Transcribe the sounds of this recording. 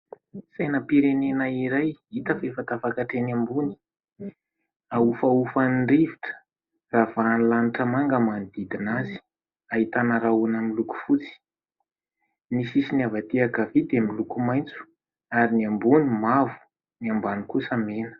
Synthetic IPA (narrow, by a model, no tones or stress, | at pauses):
sajnəpiɾenenaiɾajit̪əfefat̪afakaʈ͡ʂeniambuni̥ | aufaufanɳɖ͡ʐiviʈ͡ʂə̥ | ravanilaniʈ͡ʂəmaŋɡamanid̪id̪inazi̥ | aɦit̪anəɾaunamiluku̥fut͡si̥ | nisisiniavat̪iakavid̪emilukumajnt͡su̥ | aɾiniambunimavu̥ | niambanikusəmenə̥